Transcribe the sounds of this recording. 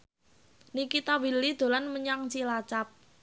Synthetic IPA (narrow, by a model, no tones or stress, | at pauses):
nikit̪ɔwilid̪̥o̤lanməɲaŋt͡ʃilat͡ʃap̚